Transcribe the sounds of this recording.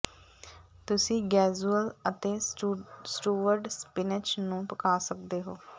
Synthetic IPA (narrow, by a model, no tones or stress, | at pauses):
t̪ʊsĩːɡɛːd͡ʒuːələt̪eː | sʈuːʋəɾɖspɪnɪt͡ʃnũːpəkaːsək̚d̪eːɦoː